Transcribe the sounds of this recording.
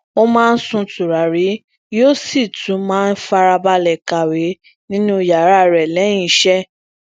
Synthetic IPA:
o˦mãː˦˧n̩˦sũ˧tu˨ɾa˨ɾi˨˦ | joː˦si˦˨tũ˨˦mãː˦˧n̩˦fa˧ɾa˧ba˧lɛ˨ka˨we˨˦ | nĩ˦nũ˦˨ja˨ɾa˦ɾɛ˨lɛ̃˨˦ĩ˦˨˦ʃɛ˦

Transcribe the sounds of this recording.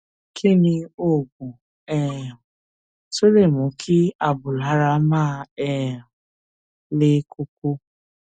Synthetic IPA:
kʰɪ˦nɪ˦o˦˨ɡʷu˨ | ɛ˦˨ʊ˨ | so˦le˦˨mʊ˨kʰɪ˦a˨bʊ˨lɦa˦ɾa˦maː˦˨ɛ˦ʊ˨ | lɪ˦kʊ˦kʷo˦

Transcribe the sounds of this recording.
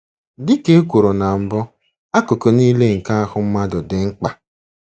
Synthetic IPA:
dɪ˦ke˦e˦kʷu˨ɾo˨na˨m̩˨bɔ˦ | a˦ko˨ko˨niː˦le˦ŋ̩˨ka˦a˦hʊ˦m̩˦ma˦dʊ˨dɪ˨ŋ̩˦k͡pa˦

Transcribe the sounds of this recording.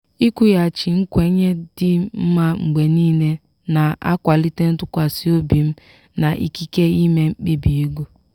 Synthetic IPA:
i˦kʷu˦ja˨t͡ʃi˨ŋ̩˦kʷe˨˦ɲe˦dɪ˦m̩˦ma˦ŋ͡m̩˨ɡ͡be˨niː˦ne˦ | na˨a̰˦kʷa˨li˦te˦n̩˦tʊ˦kʷa˨si˦o˦bi˨m̩˦ | na˨ʔḭ˦ki˦ke˦i˦me˦ŋ͡m̩˦k͡pi˦bi˨i˦ɡu˦

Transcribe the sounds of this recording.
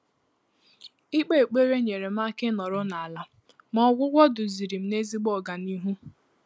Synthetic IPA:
i˦k͡pe˦˨e˨k͡pe˦ɾe˦ɲe˨ɾe˨m̩˦a˦kɪ˦nɔ˨ɾʊ˦na˨a˨la˨ | mɔ˦ɡʷʊ˦ɡʷɔ˦dʊ˨zi˨ɾi˨m̩˦ne˦zi˦ɡ͡bɔ˦˨ɡa˨ni˦ɦu˦

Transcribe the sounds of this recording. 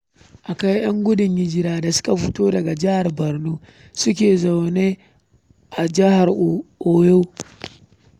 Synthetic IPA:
ʔa˨ka˦jj̰ɐ˦ŋɡʷʊ˦dɪ˨ɲjɪ˦d͡ʒɪ˦ɾaː˦da˨sʊ̥˦ka˨ɸʊ˦toː˦dɐ˨ɡa˨d͡ʒɪ˦ha˨rbɐ˨rnuː˦ | sʊ˦k̬ʲeː˨za˨wneː˦ | ʔa˨d͡ʒɪ˦ha˨rʔoː˨jo˦w

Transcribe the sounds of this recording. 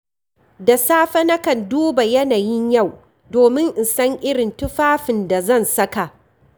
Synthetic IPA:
da˨saː˦ɸɐ˦nɐ˦kɐ˨nduː˦ba˨jɐ˦naː˨jɪ˦ɲja˦˨w | doː˨mɪ˦ŋʔɪ˨nsɐ˦ŋʔɪ˦ɽɪ˨ntʊ˦ɸaː˦ɸɪ˨nda˨zɐ˦˨nsɐ˦ka˨ʔ

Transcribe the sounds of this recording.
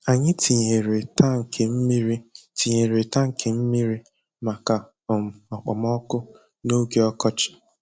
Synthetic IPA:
a˨ɲɪ˦tʰi˨ɲe˨ɾe˨ta˦ŋ̩˨kʰe˨m̩˦mi˦ɾi˦ti˨ɲe˨ɾe˨ta˦ŋ̩˨kʰe˨m̩˦mi˦ɾi˦ | ma˨ka˨ | ɔ˨m̩˨ɔ˨k͡pɔ˨m˦ɔ˦kʊ˦ | no˦ɡe˦ɔ˦kɔ˦t͡ʃɪ̥˨

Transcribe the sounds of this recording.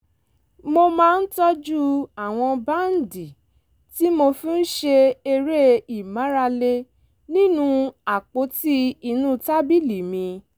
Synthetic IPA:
mo˧mãː˧˦˧n̩˦tɔ˦d͡ʒu˦a˨w̃ɔ̃˧ba˦n̩˨di˨ | ti˦mo˧fĩ˦n̩˦ʃe˧e˧ɾe˦i˨mã˨˦ɾa˧le˧ | nĩ˦nũ˧a˨k͡po˨˦ti˦i˧nũ˦ta˦bi˦˨li˨mĩ˧

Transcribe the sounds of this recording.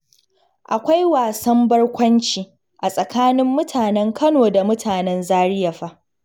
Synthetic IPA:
ʔa˨kʷa˦jwaː˨sɐ˦mbɐ˦rkʷɐ˦nt͡ʃiː˨ | ʔa˨sʼɐ˨kaː˦nɪ˦mːʊ˦tʰaː˨nɛ˦ŋkɐ˦noː˨da˨mʊ˦tʰaː˨nɛ˦nzaː˦ɽɪ˦jɐ˨ɸa˦ʔ

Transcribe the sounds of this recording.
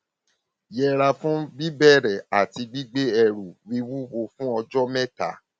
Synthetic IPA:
jɛ˧ɾa˧fũ˦bi˦bɛ˦˨ɾɛ˨a˨ti˧ɡ͡bi˦ɡ͡be˦ɛ˧ɾu˨wi˧wu˦wo˧fũ˦ɔ˧d͡ʒɔ˦mɛ̃˦ta˨˦

